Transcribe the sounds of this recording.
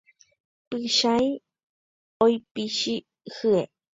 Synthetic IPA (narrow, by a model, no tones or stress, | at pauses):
pɨʃaj | ojpiʃi | hɨe